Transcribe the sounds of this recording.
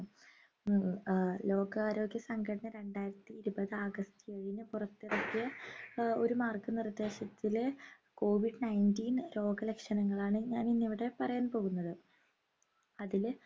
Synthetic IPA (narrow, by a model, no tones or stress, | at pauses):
lo̞ːɡaːɾo̞ːɡjɐsɐŋɡʰʱɐɽɐnɐɾe̞ɳɖaːjiɾɐt̪ːiːɾubɐðɨaːɡɐst̪ɨeɻinɨpurɐt̪ːirɐkːijɐ | o̞ɾumaːrkɨnirɐd̪e̞ːɕɐt̪ːile | ko̞ːʋiɖɨnɐjndiːnɾo̞ːɡɐlekʂɐnɐŋːɐɭaːɳɨɲaːninːiʋiɽe̞pɐrɐjaːnpo̞ːɣunːɐðɨ | ɐðil